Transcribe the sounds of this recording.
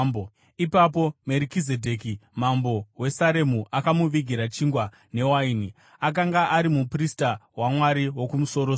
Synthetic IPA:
b | ipapo̞me̞ɾikize̞dʱe̞kimambo̞we̞saɾe̞muʔakamuʋiɡʱiɾat͡ʃiŋɡwa | ne̞waini | ak̬aŋɡaʔaɾimupristawamwaɾiwo̞kumuso̞ɾo

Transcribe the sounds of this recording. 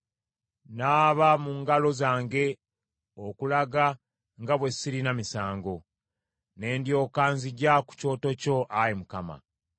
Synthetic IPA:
naːβamuŋɡalo̞zaːŋɡe̞ | okulaɡa | ŋɡaβwe̞siɾinamisaːŋɡo̞ | ne̞ːndjo̞ːkaːnziɟaku̥co̞ːto̞co̞ʔajimukama̰

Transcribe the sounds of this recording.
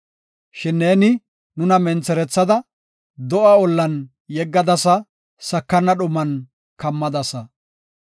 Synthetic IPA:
ʃɪnːeːnɪ | nʊnɐmɛnt͡sɛɾɛt͡sːɐd̪ɐ | d̪ɔʔɐɔlːɐn | jɛɡːɐd̪ɐsɐ | sɐkːɐnːɐɗʊmːɐn | kɐmːɐd̪ɐsɐ

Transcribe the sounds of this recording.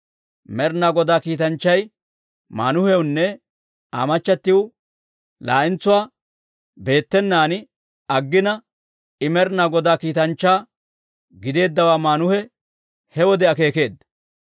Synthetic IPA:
mɛɾnaɡɔd̪aːkiːt̪ɐnt͡ʃːɐj | ma̰ːnʊhɛwʊnːɛ | a̰ːmɐt͡ʃːɐt̪ːɪwʊ | la̰ːʔɪnt͡sːʊwaː | be̞ːt̪ːɛnːaːnɪ | ɐɡːɪnɐ | ɪmɛɾnaɡɔd̪aːkiːt̪ɐnt͡ʃːaː | ɡɪd̪e̞ːd̪ːɐwaːmaːnʊhɛ | hɛwɔd̪ɛɐke̞ːke̞ːd̪ːɐ̥

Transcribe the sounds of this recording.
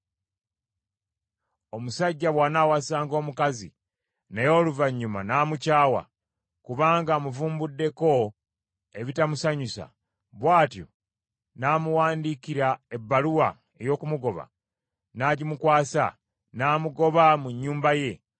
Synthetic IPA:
o̞musaɟːaβwaːnawasaːŋɡo̞ːmukazḭ | nejo̞ːluvaɲːuma̰naːmucaːwa̰ | kuβaːŋɡamuvuːmbudːe̞ko̞ | e̞βitamusaɲusa̰ | βwaːtjo̞̰ | naːmuwaːndiːkiɾae̞bːaluwa | e̞jo̞ːkumuɡo̞βa̰ | naːɟimukwaːsa̰ | naːmuɡo̞βamuɲːuːmbaje̞

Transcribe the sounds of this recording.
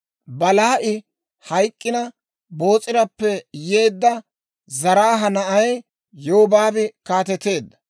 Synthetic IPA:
bɐlaːʔɪ | hɐjkʼːɪnɐ | bo̞ːt͡sʼːɪɾɐpːɛje̞ːd̪ːɐ | zɐɾaːɦɐnɐʔɐj | joːbaːbɪkaːt̪ɛt̪ːe̞ːd̪ːɐ̥

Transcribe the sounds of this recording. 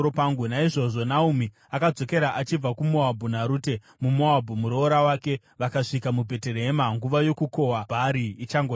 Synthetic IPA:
opaŋɡunaiʐo̞ʐo̞naumi | akad͡zo̞ke̞ɾaʔat͡ʃib͡vakumoabʱunaɾuːte̞ | mumoabʱumuɾo̞ɾawaːke̞ | ʋakaʂikamubʱe̞te̞ɾemaŋɡuʋajo̞kuko̞wabʱaɾiːt͡ʃaŋɡo

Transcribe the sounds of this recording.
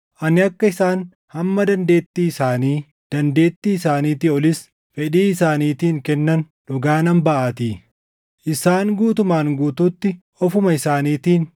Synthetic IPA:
ʔɐnɪɐkːɐɪsaːn | hɐmːɐd̪ɐnd̪e̞ːt̪ːiːɪsaːniː | d̪̥ɐnd̪e̞ːt̪ːiːɪsaːniːt̪iɔlɪs | fɛᶑiːɪsaːniːt̪iːŋkɛnːɐn | ᶑʊɡaːnɐmbɐʔaːt̪iː | ʔɪsaːŋɡuːt̪ʊmaːŋɡuːt̪uːt̪ːɪ | ɔfʊmɐɪsaːniːt̪iːn

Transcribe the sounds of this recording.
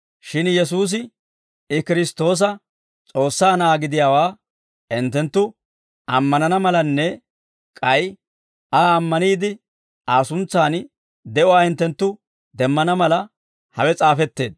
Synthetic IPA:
ʃɪnjɛs̬uːs̬ɪ | ɪkɪɾɪst̪o̞ːs̬ɐ | t͡sʼo̞ːsːaːnaːɡɪd̪ɪjaːwaː | ɪnt̪ːɛnt̪ːʊ | ʔɐmːɐnɐnɐmɐlɐnːɛ | kʼɐj | aːmːɐniːd̪ɪ | aːsʊnt͡sːaːn | d̪ɛʔʊwaːhɪnt̪ːɛnt̪ːʊ | d̪ɛmːɐnɐmɐlɐ | hɐwɛt͡sʼaːfɛt̪ːe̞ːd̪

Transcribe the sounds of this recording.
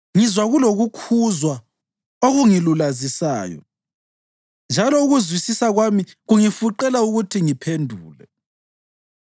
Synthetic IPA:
ŋizwaɣuloɣukʰuzwa | oɣuŋilulazisa̰ːjɔ̰ | nd͡ʒʱalɔuɣuzwisisaɣwamiɣuŋifuǃɛlauɣutʰiŋipʰendʱuːlɛ̰

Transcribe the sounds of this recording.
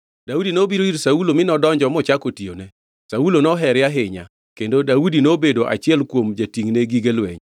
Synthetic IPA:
daudinobiɾoiɾsaulomɪnɔdɔɲd͡ʒɔmɔt͡ʃakotionɛ | saulonɔɦɛɾjaɦɪɲa̰ | kendodaudinobedoʔa̰t͡ʃɪɛlkwomd͡ʒatiŋneɡiɡelwɛ̰ɲ

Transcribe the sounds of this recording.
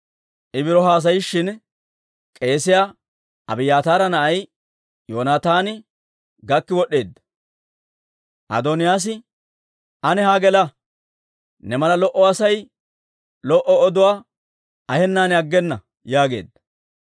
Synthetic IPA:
ʔɪbɪɾɔɦaːs̬ɐjʃːɪn | kʼe̞ːsɪjaː | ʔɐ̰bɪjaːt̪aːɾɐnɐʔɐj | joːnaːt̪aːnɪ | ɡɐkːɪwɔɗːe̞ːd̪ːɐ | ʔɐ̰d̪ɔnɪjaːs̬ɪ | ɐnɛhaɡɛlɐ | nɛmɐlɐlɔʔɔɐsɐj | lɔʔɔɔd̪ʊwaː | ɐhɛnːaːnɪɐɡːɛnːɐ | jaːɡe̞̰ːd̪ːɐ̥

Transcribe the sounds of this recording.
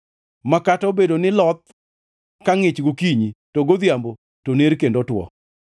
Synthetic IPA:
makatɔbedonɪlɔt̪̚ | kaŋɪt͡ʃɡokiɲitoɡod̪jambo | toneɾkendotwɔ̰

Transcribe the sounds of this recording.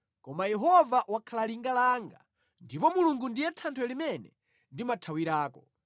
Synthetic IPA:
kɔmajɛɦɔvaʔwakʰalaliŋɡalaːŋɡa̰ | ndipɔmuluŋɡundijɛtʰantʰwɔɛlimɛnɛ | ndimatʰawiɾaːkɔ

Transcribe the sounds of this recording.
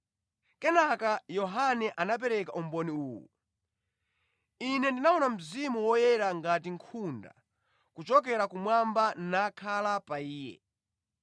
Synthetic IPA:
kɛnakajɔɦanɛʔanap̬ɛɾɛkaʔumbɔniuːwṵ | inɛndinaunam̩zimuwɔjɛɾaŋɡat̬iŋkʰunda̰ | kut͡ʃɔk̬ɛɾakumwambannakʰalapaiːjɛ̰

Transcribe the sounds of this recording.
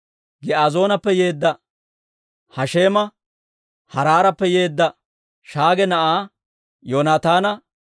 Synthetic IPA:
ɡɛʔaːzo̞ːnɐpːɛje̞ːd̪ːɐ | hɐʃe̞ːmɐ | hɐɾaːɾɐpːɛjeːd̪ːɐ | ʃaːɡɛnɐʔaː | joːnaːt̪aːnɐ

